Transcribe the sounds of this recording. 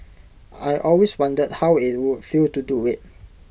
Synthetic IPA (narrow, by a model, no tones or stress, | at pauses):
ajʔɔlweswãndəd̚hawit̚wud̚filtuduɪt̚